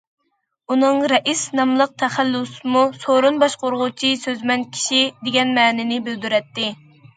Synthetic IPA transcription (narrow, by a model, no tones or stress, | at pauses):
unɨŋɾɛʔisnɑmlˠəq̚t̪ʰɛχælːusmusoɾunbɑʃqoɾʁʊt͡ʃʰisøzmɛnkʲʰi̥ʃid̪eɡʲɛnmɛːnɪnɪbɪld̪yɾɛt̪ːɪ